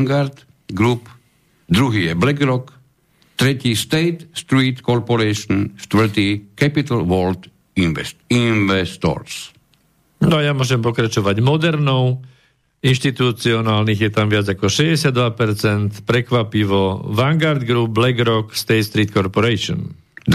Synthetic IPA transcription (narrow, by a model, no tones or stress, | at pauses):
ŋɡaɾt̪ | ɡɾup | d̪ɾuɦijɛblɛɡɾɔk | t̪ɾɛtist̪ɛɪt̪st̪ɾiːt̪kɔɾpɔɾɛʃɔnst̪ʋɛt̪ikɛpit̪alʋɔlt̪ | inʋɛ̰st̪inʋɛst̪ɔ̰ɾs | nɔajamʊɔʒɛmpɔkɾat͡ʃɔʋaɟmɔd̪ɛɾnɔʊ | inʃt̪it̪ut͡siɔnaːlniɣjɛt̪amʋɪad͡zakɔʃɛzɟɛsɪad̪ːʋapɛɾt͡sɛnt̪pɾɛkʋapiʋɔʋaŋɡaɾd̪ɡɾub̚blɛɡɾɔkst̪ɛːt̪st̪ɾiːt̪kɔɾpɔɾɛʃɔ̰n